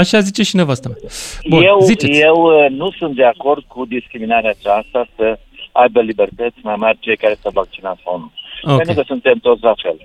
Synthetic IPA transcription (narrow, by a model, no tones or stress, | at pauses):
aʃazit͡ʃesʃinevoast̪ɾəmabunewzit͡ʃeje̞wnusunt̪d̪e̞ako̞rd̪̚kud̪iskɾiminaɾeaːt͡ʃast̪asə | ajbəlibert̪ət̪sʲmajmarʲt͡ʃejkaɾesawvak̚t͡ʃinat̪sawnuoenʲukəsunt̪e̞mt̪o̞t̪sʲlafe̞̰l